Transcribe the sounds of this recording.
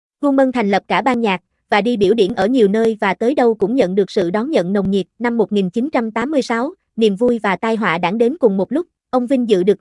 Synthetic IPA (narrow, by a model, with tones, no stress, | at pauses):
ku˧ŋmə˧nt̪ʰɛ˨˩ŋ̟lə˨˩p̚kaː˧˩ɓaː˧nɲaː˨˩k̚ | vaː˨˩ɗi˧ɓi˧˩əwɗi˧˩ənʔəː˧˩ɲi˨˩əwnəː˧jvaː˨˩t̪əː˨˦jɗə˧wkʊ̰˧˥ŋ͡mɲə̰˧˨nɗɨ˨˩ək̚sɨ̰˧˨ɗɔ˨˦nɲə̰˧˨nnə˨˩wŋ͡mɲi˨˩t̚na˧mːo˨˩t̚ŋi˨˩nt͡ɕi˨˦nt͡ɕa˧mt̪aː˨˦mːɨ˧əjsa˨˦w | nḭ˨əmvu˧jvaː˨˩t̪aː˧jɦwa̰ː˧˨ɗa̰˧˩ŋɗe˨˦nkʊ˨˩ŋ͡mmo˨˩t̚lʊ˦˥k͡p̚ʔə˧wŋ͡mvï˧ŋ̟zɨ̰˧˨ɗɨ˨˩k̚